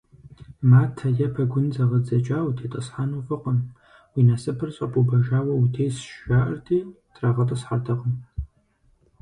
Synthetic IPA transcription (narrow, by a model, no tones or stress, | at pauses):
maːtʰɐjɐpʰɐɡʷʊnzɐʁɐd͡zɐt͡ʃʼaːwtʰeːtʼɨsħanufɨqʼən | wiːnɐsɨpʰɨrɕʼɐpʼubɐʒaːwɐutʰeːjsʃʃaːʔɐ̰rtʰeː | tʰʼraːʁɐtʼɨsħadʰɐqʼəm